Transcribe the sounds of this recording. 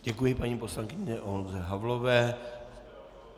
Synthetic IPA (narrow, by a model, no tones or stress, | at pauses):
ɟɛkujɪpaɲiːpo̞slaŋkɪɲɛʔonzɛɦavlovɛː